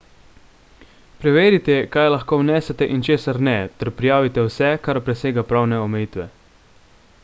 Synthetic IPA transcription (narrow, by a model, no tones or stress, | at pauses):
pɾɛʋeːɾit̪ɛkajlaxkoːwnɛːsɛt̪ɛʔint͡ʃeːsaɾnɛt̪ɛɾpɾijaːʋit̪ɛwsɛkaɾpɾɛseːɡapɾaːwnɛɔmɛjiːt̪ʋɛ